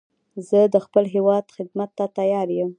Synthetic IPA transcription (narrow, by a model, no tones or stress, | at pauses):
zəd̪əxpəlɦewɑd̪xɪd̪mat̪ːat̪ajɑɾjəm